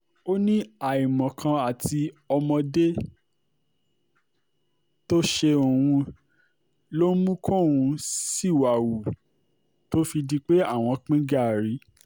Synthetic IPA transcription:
o˦nĩ˦a˨i˨mɔ̃˨kʰã˧a˨ti˧ɔ˧mɔ̃˧de˦ | to˦ʃe˧o˨wũ˧ | lo˦mũ˦kʰo˦˨wũ˧si˦˨wa˨wu˨ | to˦fi˧di˧˦k͡pe˦a˦˨w̃ɔ̃˧k͡pĩ˦ɡa˦˨ɾi˨˦

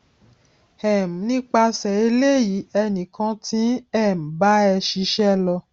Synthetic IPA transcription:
ɛ˨m̩˨nĩ˦k͡pa˧sɛ˨e˧le˦ji˨˦ɛ˧nĩ˨kã˧tĩ˦ɛ˦˨m̩˨ba˦ɛ˧ʃi˧ʃɛ˦lɔ˧

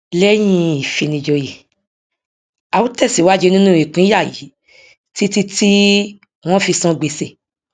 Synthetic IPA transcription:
lɛ˦j̃ĩ˧˦i˨fi˨˧nĩ˧d͡ʒo˧ji˨ | a˨wu˦tɛ˦˨si˨˦wa˦d͡ʒe˧nĩ˦nũ˦i˨k͡pĩ˨˦a˦˨jḭ˨˦ | ti˦ti˦ti˦ | w̃ɔ̃˦fi˧sã˧ɡ͡be˧se˧˨

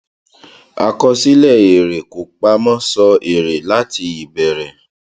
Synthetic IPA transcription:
a̰˧kɔ˧si˦lɛ˦˨e˨ɾe˨ko˨˦k͡pa˧mã˦sɔ˧e˨ɾe˨la˨˦tʰi˧i˨bɛ˨ɾɛ˨

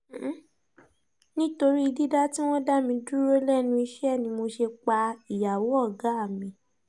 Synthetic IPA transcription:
nĩ˦to˧ɾi˦i˧di˦da˦ti˦w̃ɔ̃˦da˦mĩ˧du˦ɾo˦lɛ˦˨nũ˧i˧ʃɛ˦ɛ˦˨nĩ˧mo˧ʃe˧k͡pa˧i˨ja˨wo˨˦ɔ˦˨ɡa˨˦a˦˨mĩ˧

